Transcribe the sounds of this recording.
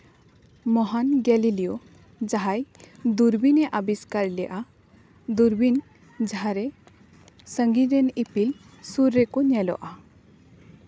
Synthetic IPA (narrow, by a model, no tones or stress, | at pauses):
mɔɦanɡɛlilijo | d͡ʒaɦajd̪uɾbinɛʔabiskaɾlɛjʔa | d̪uɾbin | d͡ʒaɦaɾɛ | sə̃ŋɡiɾɛnipil | suɾːɛkɔɲɛlɔ̰ʔa